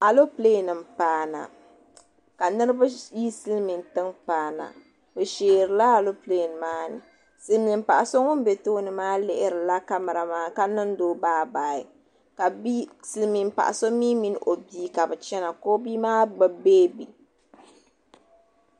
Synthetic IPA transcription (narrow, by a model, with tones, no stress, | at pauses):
a˨lo˦pleː˦˨nɨ˨m˨paː˨na̰˨ | ka˨nɨ˦ɾɨ˦ba˦ji˦sɨ˦lmi˨n˨tɨ˦ŋpaː˨na̰˨ | bɨ˨ʃeː˨ɾɨ˨la˦a˨lo˦ple˦˨n˨maː˦nɨ̰˨ | sɨ˨lmi˨m˦pa˨ʔa˨so˦ŋʊ˦m˦be˨toː˦nɨ˨maː˦lɪ˦ʔɪ˦ɾɨ˨la˦ka˦mɨ˨ɾa˨maː˦ka˦nɨ˦n˦doː˦baː˦baː˨ɪ˨ | ka˨bi˦sɨ˨lmi˨m˨pa̰˨ʔa̰˨so˦miː˦mi˦n˦˨ʔo˨biː˦ka˨bɨ˨t͡ʃɛ˦na˨koː˦bi˦maː˦ɡ͡bɨ˦beː˦bi˨